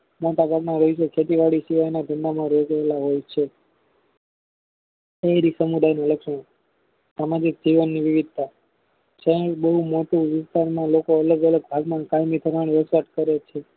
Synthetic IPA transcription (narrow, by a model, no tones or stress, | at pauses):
moʈabʱaɡnaɾoisokʰet̪iʋaɽisiʋajnad̪ʱənd̪amãɾod͡ʒaelaɦojt͡ʃʰe | eɾisəmud̪ajnoləkʃmə | samad͡ʒik̚d͡ʒiʋənːiʋiʋid̪̚ʱt̪a | t͡ʃʰəbəɦumoʈuʋɪst̪aɾmãlokoələɡələɡ̚bʱaɡmãkajmit̪ʰəɾaɳ̃iɾəsʋaʈ̪kəɾet͡ʃʰe